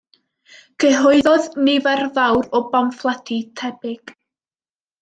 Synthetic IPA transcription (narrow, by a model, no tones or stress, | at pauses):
ɡ̥ʰəɦɔɨðɔðnɪvɛrvawɾɔbamflˠatʰitʰɛbɪɡ̥